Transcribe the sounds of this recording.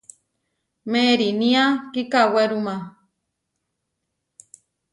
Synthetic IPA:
meɾinĩakikaweɾumã

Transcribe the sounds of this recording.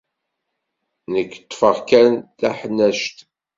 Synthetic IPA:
nəkːə̥t̪ˤːfəʁkænθæħənːæʃt̪

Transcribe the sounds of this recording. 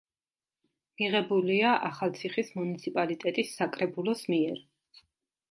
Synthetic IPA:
miʁɛbuliaʔaχalˠt̪sʰiχismunit̪sʰipʼalit̪ʼɛt̪ʼisːakʼɾɛbulˠɔsmiɛɾ

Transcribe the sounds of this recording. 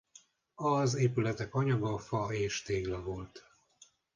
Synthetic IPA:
ɒzeːpylɛt̪ɛkɒɲɒɡɒfɒeːʃt̪eːɡlɛvo̞lt̪

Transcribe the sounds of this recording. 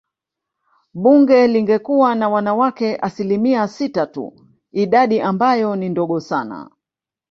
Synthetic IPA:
ɓuŋɡɛliŋɡɛkuwanawanawakɛʔasilimiasitatṵ | iɗaɗiʔambajɔnindɔɠɔsana̰

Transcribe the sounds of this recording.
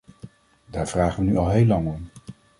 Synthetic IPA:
daːɹv̥raːχənyɑlˠɦejlɑŋɔm

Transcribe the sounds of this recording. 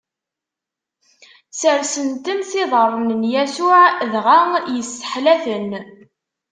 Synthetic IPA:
səɾsənt̪ənθɪðˤərˤːnənjæsʊʕðʁaŋjəsːə̥ħlæθən

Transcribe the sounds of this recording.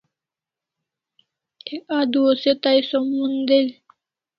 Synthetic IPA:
ek̚ad̪uoset̪ajsɔmːund̪el

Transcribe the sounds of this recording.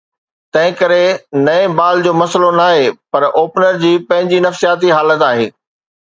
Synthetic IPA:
t̪ɐ̃ɦɪ̃kɐɾenɐ̃ẽbaːld͡ʑoːmɐslonaːɦepɐɾʔoːpnəɾd͡ʑiːpɐ̃ɦɪ̃ɲd͡ʑinɐfsijaːt̪̬iɦaːlət̪aːɦḛː

